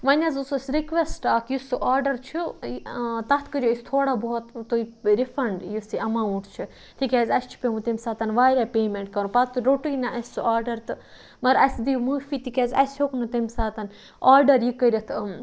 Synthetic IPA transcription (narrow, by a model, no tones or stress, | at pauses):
ʋɐnʲɐzusosʲɾikʋesʈaːkjusuʔaːɾɖɐɾt͡ʃʰu | t̪ɐt̪ʰkəɾʲjoisʲt̪ʰoːɽaːboːɔt̪t̪oiɾifɾɐɳɖjusiɐmaːwuɳʈt͡ʃʰi | t̪ʰikʲaːzʲɐst͡ʃʰi̥pʲemut̪emʲsaːt̪ɐnʋaːɾʲapeːmeɳʈkɐɾupɐt̪ɾoʈunʲaʔɐsʲsuʔaːɾɖɐɾt̪ɨ | mɐɾɐsʲd̪imuːfiːt̪ikʲeːzʲɐ̰sʲoknut̪emʲsaːt̪ɐn | aːɾɖɐɾjikːəɾʲɐt̪ʰ